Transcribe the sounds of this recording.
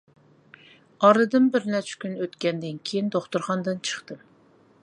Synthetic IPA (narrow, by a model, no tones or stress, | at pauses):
ɑɾɨd̪ɨnbɪɾnɛt͡ʃʰɪ̥kʲynøt̪kʲɛnd̪ɨnkʲʰejind̪oχt̪uɾχɑnd̪ɨnt͡ʃʰə̥χt̪ɨm